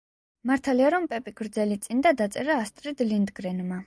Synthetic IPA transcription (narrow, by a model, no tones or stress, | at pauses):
maɾt̪ʰaliaɾɔmpʼɛpʼikʰɾd̪zɛlit̪sʼind̪ad̪at̪sʼɛɾaːst̪ʼɾid̪lind̪ɡɾɛnma